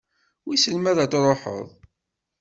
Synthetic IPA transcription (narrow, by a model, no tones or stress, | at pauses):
wisəlmæðæt͡s̪ɾˤoħə̰ðˤ